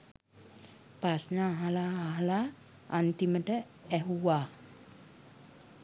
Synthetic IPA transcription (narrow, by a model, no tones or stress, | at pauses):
pasnaːɦalaːɦala | ant̪iməʈə | ɛɦuwaː